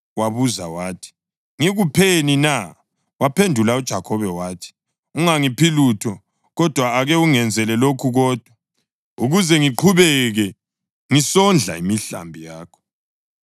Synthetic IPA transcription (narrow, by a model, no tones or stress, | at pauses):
waβuzawaːtʰi̥ | ŋiɣupʰenina | wapʰendʱulaud̥ʒ̥ʱakʰɔβɛwaːtʰi̥ | uŋaŋipʰilutʰɔ | ɣɔd̥ʱwaːɣɛuŋɛnd͡zʱɛlɛlokʰuɣɔːd̥ʱwa | uɣuzɛŋiǃʰuβɛɣɛ | ŋisɔnd͡ɮʱa̰imiɬa̰mbʱijaːkʰɔ̥